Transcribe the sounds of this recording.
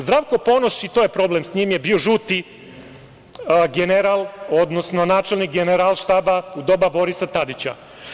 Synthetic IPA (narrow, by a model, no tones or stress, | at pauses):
zd̪ɾaːʋko̞po̞noʃit̪ojepɾo̞blemsɲimjebio̞ʒuːt̪i | ɡeneɾalˠo̞d̪nosno̞naːt͡ʃelnik̚ɡeneɾalˠʃt̪aːbaud̪o̞babo̞ɾisat̪ad̪it͡ɕa̰